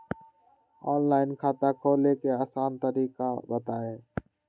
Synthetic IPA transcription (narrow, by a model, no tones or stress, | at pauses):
oːnlaːɪnkʰaːt̪aːkʰoːleːkeːaːsaːnt̪əɾiːkaːbət̪aːeː